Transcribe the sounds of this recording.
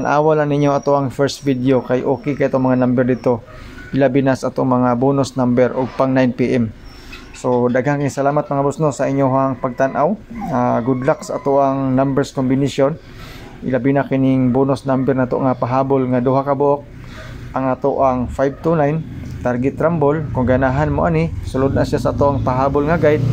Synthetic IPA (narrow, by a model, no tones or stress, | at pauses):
anʔa̰ːwalanɪɲːoʔɐt̪oʔɐŋfɛɾst̪̚vid̪eokajʔoːkɪkaʔɪt̪oŋmɐŋanambɛɾd̪ɪt̪o̞ | ʔɪlabɪnasaʔat̪oŋmɐŋaboːnosnambɛɾʔoɡ̚paŋnajnpiʔɛm | sod̪aɡankɪŋsɐlaːmat̪̚mɐŋabʊsnosɐʔɪɲːoɦaŋpɐɡ̚t̪anʔawaɡʊd̪laksʔa̰t̪oʔaŋnambɛɾskombɪniʃon | ʔɪ̰labinakɪnɪŋboːnosnambɛɾnaʔat̪oʔŋapaɦaːbolŋad̪uɦakabʊʔok̚ | ʔaŋat̪oʔaŋfajb̚t̪unajnt̪aɾɡɪt̪ɾambolkʊŋɡanaɦanmoʔanɪsʊlʊd̪̚naʃjasaʔat̪oʔaŋpaɦaːbolŋaɡajd̪̚